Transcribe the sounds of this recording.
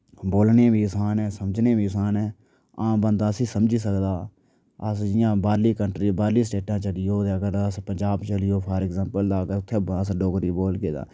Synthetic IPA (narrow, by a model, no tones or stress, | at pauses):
boːlnẽːbʱiːsaːnɛ̃ːsəmd͡ʒneːbiːsaːnɛ̃ː | ãːbənd̪aːsiːsəmd͡ʒiːsəkd̪aː | əsd͡ʒɪjãːbaːɾliːkəɳʈɾiːbaːɾliːs̬ʈeːʈãːt͡ʃəɽɪjoːd̪eːkəɾəspəɲd͡ʒaːbt͡ʃəlɪjoːpʰaːɾɛkzɛ̃ːmpəld̪aːkəɾʊt̪ʰːeːəsɖoːɡɾiːboːlɡeːd̪a̰ː